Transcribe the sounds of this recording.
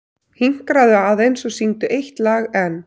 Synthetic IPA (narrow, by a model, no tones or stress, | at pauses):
hiŋ̥kɾaðʏaðejnsɔsiŋt̪ʏʔejht̪laːɣɛn